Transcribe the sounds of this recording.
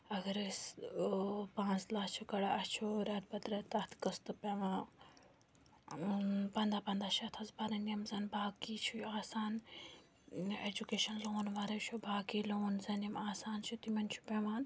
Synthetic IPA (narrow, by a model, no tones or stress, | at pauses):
ɐɡɐɾɨs | pãːt͡slaːst͡ʃʰukɐɽaʔɐt͡ʃʰoɾɐt̪̚bɐt̪ɾɐːt̪ɐt̪ʰkɐst̪ɨpeːʋãː | pɐnd̪aːpɐnd̪aːʃʰɐt̪ʰɐzbaɾɐniɐmzɐnbaːkiːt͡ʃʰujaːsaːn | ed͡ʒukeːʃɐnloːnʋaɾɐt͡ʃʰubaːkiːloːnzɐnimaːsaːnt͡ʃʰut̪imɐnt͡ʃʰu̥peːʋaːn